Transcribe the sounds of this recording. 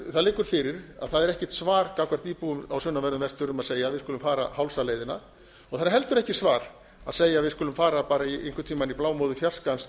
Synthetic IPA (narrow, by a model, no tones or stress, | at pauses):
θaðlɪːkʏɾ̥fɪɾɪɾa̰ðθaðɛɾɛhcɛ̥t̪svaːɾkawkʰvaɾ̥t̪iːpuʏmawsʏnːavɛɾðʏmvɛst̪ʏɾʏmaðseːjavɪðkɔːlʏmfaːɾa̰hawlsaleːjðɪna | ɔɣθanːaɦɛlt̪ʏɾɛhcɪsvaːɾ̥ | a̰ðseːjaːvɪðskɔːlʏmfaːɾapaːɾaiʔḛŋkʏt̪ʰiːmaniplaːwmowðʏfjar̥skans